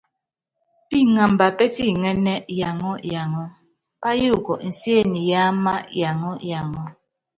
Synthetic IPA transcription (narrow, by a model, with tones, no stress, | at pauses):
pi˦˨ŋa˨m˨ba˨pɛ˦ti˦˨ŋɛ˦nɛ˦ja˨ŋɔ˦ja˨ŋɔ˦ | pa˦ju˦˨kɔ˨n̩˨sje˦˨ni˨ja˦ma˦ja˨ŋɔ˦ja˨ŋɔ˦